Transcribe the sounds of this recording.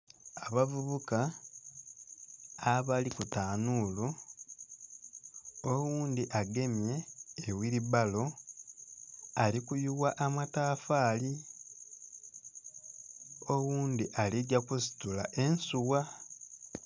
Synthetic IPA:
aβavuβuka | aβalikutaːnuːlu | owuːnd̪iʔaɡe̞mje̞ːwiɾiβalo̞ | alikujuwaʔːmataːfaːli | owuːnd̪iʔaliɟakusi̥tulaʔe̞nsuwa

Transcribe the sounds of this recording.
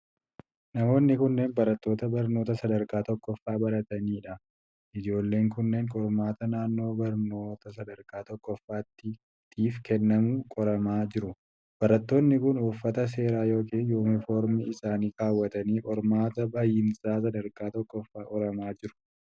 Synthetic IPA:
nɐmo̞ːnːɪkʊnːe̞ːnbɐɾɐt̪ːo̞ːt̪ɐbɐɾno̞ːt̪ɐsɐd̪ɐɾkaːt̪ɔkːɔfːaːbɐɾɐt̪ɐniːᶑɐ | ʔɪd͡ʒo̞ːlːe̞ːŋkʊnːe̞ːŋkʼɔɾmaːt̪ɐnaːnːo̞ːbɐɾno̞ːt̪ɐsɐd̪ɐɾkʼaːt̪ɔkːɔfːaːt̪ːɪ | t̪iːfkɛnːɐmuːkʼɔɾɐmaːd͡ʒɪɾʊ | b̥ɐɾɐt̪ːo̞ːnːɪkʊnʊfːɐt̪ɐs̬e̞ːɾaːjo̞ːkeːnjoːmɪfo̞ːɾmiɪsaːniːkaːwːɐt̪ɐniːkʼɔɾmaːt̪ɐbaːjɪnsaːs̬ɐd̪ɐɾkʼaːt̪ɔkːɔfːaːkʼɔɾɐmaːd͡ʒɪɾʊ̥

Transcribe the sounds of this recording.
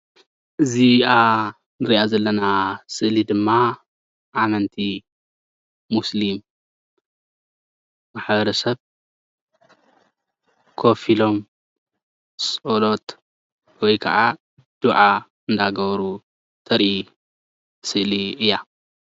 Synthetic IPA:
ʔɨziʔa | nɨɾiʔazɐlːɐnasɨʔlid̪ɨmːa | ʔamɐnt̪ʰi | muslim | maħbɐɾɐsɐβ | kʰo̞filo̞m | sʼolo̞t̪ | wɔjkʰɐ̰ʔa | d̪̥uʕa | ɨnd̪aɡɐβɐɾu | t̪ʰɐɾʔi | sɨʔliʔɨjːa

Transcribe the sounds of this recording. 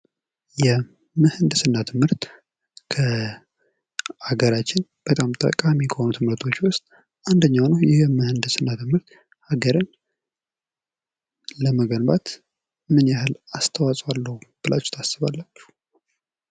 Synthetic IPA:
jɛ | mɨhɨnd̪ɨsɨnːat̪ʰɨmhɨɾt̪ | kʰə | aɡəɾat͡ʃːɪnb̥ət̪ʼamt̪ʼə̰kʼamikʰəhonut̪ʰɨmɨɾt̪ʰo̞t͡ʃːwʊst̪ʼ | ʔand̪əɲːawnəjɛhmɨhɨnd̪ɨsɨnːat̪ʰɨmhɨɾt̪ | haɡəɾɨn | ləməɡənbat̪ | mɨnjaɦɨlast̪ʰəwasʼwalːəhub̥ɨla̰t͡ʃːu̥t̪ʰasɨβalːat͡ʃːhu

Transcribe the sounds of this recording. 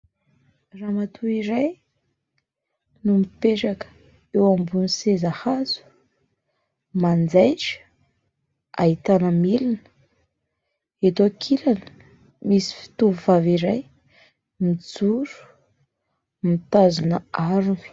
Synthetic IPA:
ramat̪ʰuiɾaj | numipeʈ͡ʂakə̥ | ewambunisezahazu̥ | mand͡zajʈ͡ʂə̥ | a̰ɦit̪anəmilinə | et̪okʰilanə̥ | misi̥fi̥t̪uvuvaviɾaj | mid͡zuɾu̥ | mit̪azunəaɾun̥

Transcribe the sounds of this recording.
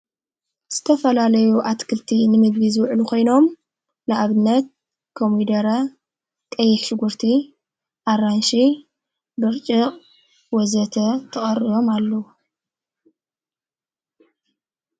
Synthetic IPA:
z̥ɨt̪ʰɐfɐlalɐjuʔat̪kʰɨlt̪ʰinɨmɨɡβizɨwʕlukʰo̞jno̞m | nɨʔaβɨnːɐt̪̚ | kʰomid̪ɐɾɐ | kʼɐjːɪħʃɪɡuɾt̪ʰi | ʔaɾanʃi | bɨɾt͡ʃʼɨqʼ | wɔzɐt̪ʰɐt̪ʰɐxʼɐrijo̞malːɐwu

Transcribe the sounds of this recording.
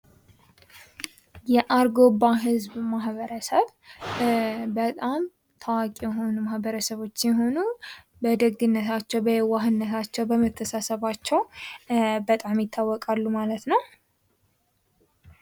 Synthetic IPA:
jɛʔaɾɡo̞bːaɦɨzbmaɦβəɾəsəβ | bət̪ʼam | t̪ʰəwakʼijɛɦo̞numahbəɾəsəβo̞t͡ʃːjɛɦo̞nu | bəd̪əɡɡ̪ɨnːət̪ʰat͡ʃːɛwbəjɛwaɦɨnːət̪ʰat͡ʃːɛwbəmət̪ʰːəsasəβat͡ʃːɛw | bət̪ʼamjɪt̪ʰːawːɔkʼalːumalət̪nəw

